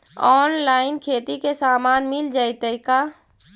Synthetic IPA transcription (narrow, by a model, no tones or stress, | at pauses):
ɔːnlaːɪnkʰeːt̪ikesaːmaːnmɪld͡ʒaːit̪əɪka